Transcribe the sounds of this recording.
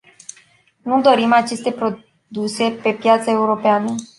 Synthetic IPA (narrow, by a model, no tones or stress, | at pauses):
nud̪o̞ɾimat͡ʃe̞st̪e̞pɾo̞ | d̪use̞pe̞pjat̪səe̞uɾo̞peanə